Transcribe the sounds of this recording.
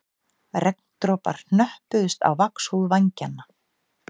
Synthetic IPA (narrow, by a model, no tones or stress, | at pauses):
rɛk̚n̥t̪ɾɔːpa̰ɾ̥n̥nœhpʏðʏst̪a̰wvakshuðvaɲcanːa